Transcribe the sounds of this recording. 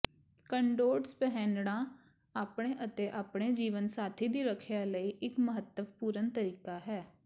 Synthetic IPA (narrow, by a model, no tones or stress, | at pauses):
kəɳɖoːɖspəɦɛ̃nɽãː | aːpɽẽːʔət̪eːʔaːpɳeːd͡ʒiːʋənsaːt̪ʰiːd̪iːɾəkʰjaːləiːʔɪkməɦət̪ːəʋpuːɾənt̪əɾiːkaːɦɛː